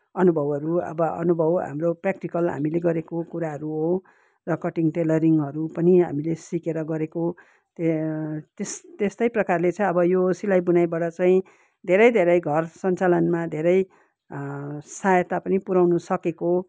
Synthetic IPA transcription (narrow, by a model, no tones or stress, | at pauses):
ʌnubʱʌbʌɾuʌ̰bʌʌ̰nubʱʌwɦa̰mroprak̚ʈikʌlɦa̰mileɡʌɾekokuɾaɦʌɾuɦo | rʌkʌʈiŋʈelʌɾiŋʌɾupʌniɦa̰milesikeɾʌɡʌɾeko | t̪et̪est̪est̪ʌjprʌkarlet͡sʌĩʌbʌjosilajbunajbaɽʌt͡sãĩ | d̪ʱeɾʌjd̪ʱeɾʌjɡʱʌrsʌnt͡salʌnmad̪ʱeɾʌj | sajʌt̪apʌnipuɾawnusʌkeko